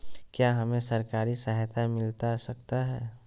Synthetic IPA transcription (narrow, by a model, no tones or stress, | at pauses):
kjaːɦɐmẽsɐɾkaːɾisəɦt̪amɪlt̪asəkt̪aɦɛː